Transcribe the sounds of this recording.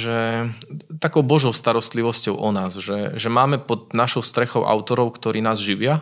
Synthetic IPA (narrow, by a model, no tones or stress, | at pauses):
ʒɛ | t̪akɔʊbɔʒɔʊst̪aɾɔst̪liʋɔscɔʊʔɔnaːzʒɛʒɛmaːmɛpɔd̪naʃɔʊst̪ɾɛxɔʊʔa̰ʊt̪ɔɾɔʊkt̪ɔɾiːnaːzʒiʋɪa